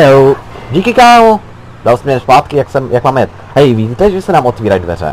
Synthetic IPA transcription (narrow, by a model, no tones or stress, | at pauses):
ɛwɟiːkɪkaːmo | d̥alsmɛnɛspaːt̪kɪjaksɛmjak̚maːmjɛt̪ | ɦɛjviɟiːt̪ɛʒɛsɛnaːmʔot̪viːɾajdvɛ̰ɾɛ̰